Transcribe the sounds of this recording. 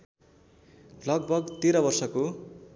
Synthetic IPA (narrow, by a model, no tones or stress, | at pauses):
lʌɡ̚bʱʌɡt̪eɾʌbʌrsʌko